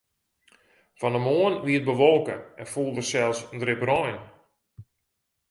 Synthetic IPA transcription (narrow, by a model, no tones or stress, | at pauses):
fɔndəmoənʋiət̚bəʋolˠkə̰ɛnfulˠdərsɛlˠsəndrɪprɔjn